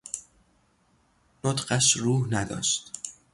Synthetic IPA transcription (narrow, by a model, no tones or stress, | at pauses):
not̪ɢæʃruːhnæd̪ɒ̰ːʃt̪